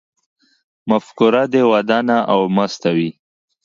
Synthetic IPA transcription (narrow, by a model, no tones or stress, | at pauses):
mafkʊɾad̪ewad̪ɑnaʔawmast̪awi